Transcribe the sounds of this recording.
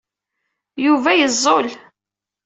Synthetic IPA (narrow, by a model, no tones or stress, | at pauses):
juvæjəzˤːol